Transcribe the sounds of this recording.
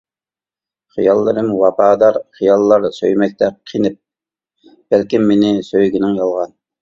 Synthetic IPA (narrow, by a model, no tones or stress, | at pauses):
χijɑlˠːɨɾɨmwɑpɑːd̪ɑɾχijɑlˠːɑɾsø̰jmɛk̚ʲt̪ɛqʰinɪp̚ | b̥ælkʲɪmːinɪsøjɡʲɪnɪŋjɑlˠʁɑn